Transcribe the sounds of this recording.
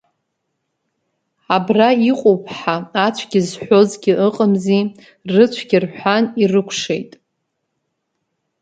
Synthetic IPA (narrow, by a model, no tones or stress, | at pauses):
abraiqʼowpʰʼħaːt͡ɕʷʰɡʲɪzħʷo̞zɡʲɪʔɨqʼəmzi | rɨt͡ɕʷʰɡʲɪrħʷanirɨkʷʰʂejtʼ